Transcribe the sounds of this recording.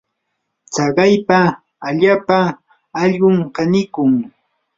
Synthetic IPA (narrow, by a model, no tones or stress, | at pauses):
t͡sɑɢɑjpaː | ʎaːpa | ɑʎɢʊmkɑnɪkʊŋ